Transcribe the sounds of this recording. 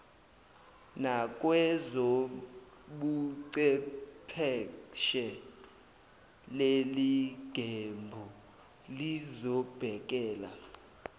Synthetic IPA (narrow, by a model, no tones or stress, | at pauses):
nak̬ʼwɛzo | ɓuǀɛpʰɛʃɛ | leliɡ̥ʱembʱu | lizɔb̥ʱɛk̬ʼɛːla̰